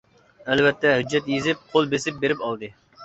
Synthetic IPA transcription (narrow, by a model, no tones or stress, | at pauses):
ælvɛt̪ʰːɛɦyd͡ʒːɛt̪jezɪp̚qʰolˠbesɪp̚beɾɪpɑlˠd̪ɨ